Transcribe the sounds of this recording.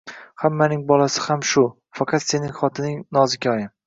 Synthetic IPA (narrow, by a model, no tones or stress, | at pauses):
hamːanɪŋbɒlasɪ̥hamʃʊ | fɑqʰɑt̪se̞nɪŋχɒt̪ʰɪnɪŋnɒzɪkʲɒjɪm